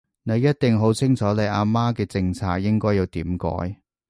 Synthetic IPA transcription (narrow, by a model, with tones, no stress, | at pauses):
ne˨˧jɐ˥t̚t̪ɪ˨ŋɦo˨˥wt͡sʰɪ˥ŋt͡sʰɔː˨˥le˨˧jaː˧maː˥kɛː˧t͡sɪ˧ŋt͡sʰaː˧k̚jɪ˥ŋkɔː˥ji˨˧wt̪iː˨˥mkɔ̰ː˨˥j